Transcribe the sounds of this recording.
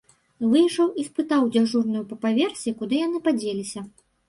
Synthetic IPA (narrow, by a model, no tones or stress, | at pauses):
vɨjʂɐwispɨt̪awd͡zʲaʐurnujupɐpavʲɛrsʲikud̪ɨjan̪ɨpad͡zʲelʲisʲɐ